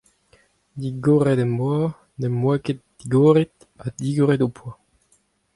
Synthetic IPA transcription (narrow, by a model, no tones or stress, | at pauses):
d̪iɡoːʁedɛmbwaː | nɛmwɛket̪̚d̥iɡoːʁet̪ | ad̪iɡoʁedopʰwa